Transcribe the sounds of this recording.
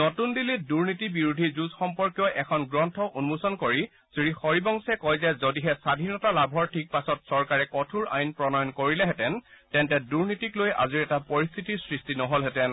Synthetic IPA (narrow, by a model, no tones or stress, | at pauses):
nɔtundiliduɹnitibiɹudʱizuzxɔmpɔɹkjɔʔɛkʰɔnɡɹɔntʰɔʔunmusɔnkoɹi | sɹixɔɹibɔŋsɛkɔjzɛzodiɦɛsadʱinɔtalabʱɔɹtʰik̚pasɔtsɔɹkaɹɛkɔtʰuɹa̰jnpɹɔnɔjɔnkoɹilɛɦɛtɛntɛntɛduɹnitikloja̰ziɹɛtapɔɹist̪ʰitisɹistinɔɦolɦɛtɛn